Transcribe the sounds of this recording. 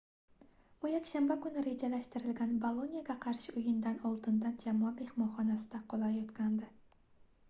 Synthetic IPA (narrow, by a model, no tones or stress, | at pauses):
b̥ʊjakʲʃambakʊnɪɾe̞d͡ʒalaʃt̪ɪɾɪlɡʲanbolˠonʲijaɡʲaqʰɑɾʃɪʊjɪnd̪anɒlˠd̪ɪnd̪and͡ʒamɒabe̞hmɒχɒnasɪd̪aqʰɒlˠajɒt̪kʲand̪ɪ